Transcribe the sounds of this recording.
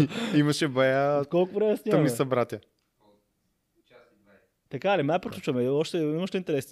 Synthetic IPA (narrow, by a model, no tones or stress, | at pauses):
imɐʃɛbɛjakɔlˠkʊpɾɛjɐsnʲəmisɐbɾat̪ʲjɐ | t̪ɐkalimapɾok̪lut͡ʃɐmɛɔʃt̪ɛimɐʃt̪ɛint̪ɛɾɛsn